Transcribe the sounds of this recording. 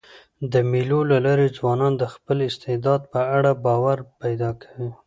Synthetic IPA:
d̪əmilolalɑɾezwɑnɑnd̪əxpəlɪst̪ed̪ɑd̪̚pəaɽabɑwaɾpajd̪ɑkʰḁwi

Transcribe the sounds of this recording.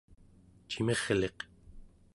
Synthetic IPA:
t͡ʃimeʁle̞q

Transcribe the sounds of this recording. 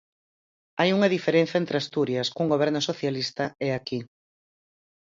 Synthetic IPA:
ajuŋɐðifeɾẽn̟θjɐent̪ɾeast̪uɾjɐskuŋɡoβɛɾnʊsoθjalist̪ɐeaki

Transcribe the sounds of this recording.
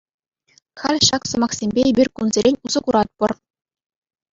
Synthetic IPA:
χɑlʲɕɑksɤ̆mɑχsʲemʲbʲeebʲirʲkunzʲeɾʲenʲuzɤ̆kuɾɑt̪̚pɤ̆r

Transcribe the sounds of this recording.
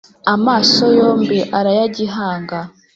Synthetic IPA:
amaːso̞jo̞ːmbiʔaɾajaɟiɦaːŋɡa

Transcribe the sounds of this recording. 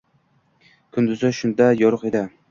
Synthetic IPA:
kʰʊnd̪ʊzɪʃʊnd̪ajɒɾʊqed̪ɪ

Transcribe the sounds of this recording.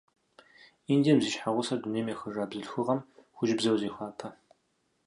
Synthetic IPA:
indiɛmziːʃħaʁʷʊsɐduneːjmexɨʐaːbzɨɬxɨʁɐmxʷʊʒbzɐwziːxʷaːtʰɐ

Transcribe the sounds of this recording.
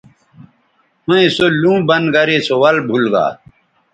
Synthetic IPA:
hoẽsolũːbɐnɡɐɾeːsowɐlbʱulɡa̰ː

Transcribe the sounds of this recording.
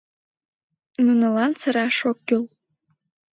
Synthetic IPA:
nunɤlɑnt͡sə̆ɾɑʃokːyl

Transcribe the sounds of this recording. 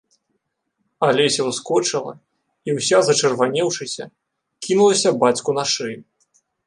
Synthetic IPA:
alʲɛsʲɐwskɔt͡ʂɨlˠɐ̰ | iwsʲazɐt͡ʂɐrvanʲɛwʂɨsʲɐ̰ | kʲinulˠɐsʲɐbat͡sʲkunaʂɨj

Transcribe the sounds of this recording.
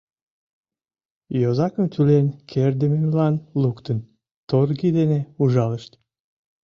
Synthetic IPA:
jozɑkəmt̪ʰylenkʰeɾd̪ememlɑnlukt̪ən | t̪orɡid̪eneuʒɑləʃt̪

